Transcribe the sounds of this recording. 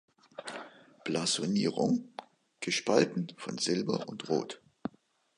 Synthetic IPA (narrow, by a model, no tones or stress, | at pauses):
plazoniːʁʊ̰ŋ | ɡ̥əʃpaltn̩fɔ̰nzɪlbɐ̰ʔʊntʁo̰ːt